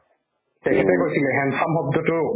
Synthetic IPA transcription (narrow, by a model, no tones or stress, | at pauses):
tɛkʰɛtɛkojsilɛɦɛnsamɦɔb̚dɔtʊ